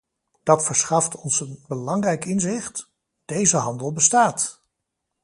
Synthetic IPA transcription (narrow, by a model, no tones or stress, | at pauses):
d̥ɑtfəɹsχɑftɔnsənbəlɑŋrɛjkɪnzɪχt | d̥ejzəɦɑndəlˠbəstaːt